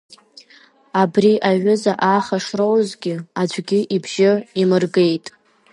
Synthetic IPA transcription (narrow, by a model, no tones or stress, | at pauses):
abriʔaɥʷʊzaʔaχaʂrowzɡʲɪad͡ʒʷɡʲɪʔibʒɪimɨrɡe̞jtʼ